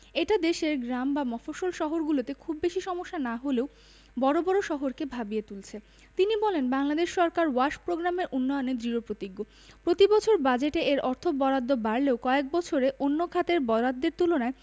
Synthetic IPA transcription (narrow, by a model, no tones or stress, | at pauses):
eʈad̪eʃeɾɡɾambamɔfoʃolʃɔɦoɾɡulot̪ekʰubːeʃiʃɔmoʃːanaɦoleo | bɔɾobɔɾoʃɔɦoɾkebʱabijet̪ult͡ɕʰe | t̪inibɔlenbaŋlad̪eʃʃɔɾkaɾwaʃpɾoɡɾameɾʔunːɔjoned̪ɾiopɾot̪iɡːo | pɾot̪ibɔt͡ɕʰoɾbad͡ʑeʈeʔeɾɔɾt̪ʰobɔɾad̪ːobaɾleokɔek̚bɔt͡ɕʰoɾeʔonːokʰat̪eɾbɔɾad̪ːeɾt̪ulonae